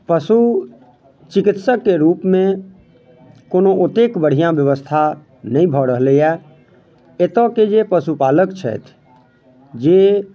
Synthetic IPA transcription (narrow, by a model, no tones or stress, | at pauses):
pəsu | t͡ʃikit̪səkːeɾupmẽ | konoot̪ekbəɽ̤ijãbjəʋəst̪ʰa | nəĩbʱɔɾəɦlejɛ | et̪ɔked͡ʒepəsupaləkt͡ʃʰɛ̰t̪ʰ | d͡ʒe